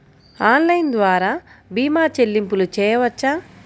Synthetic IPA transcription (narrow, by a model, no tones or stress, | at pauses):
aːnlɐjnd̪ʋaːɾaːbiːmaːt͡ʃelːimpulut͡ʃɛːjɐʋɐt͡ʃːaː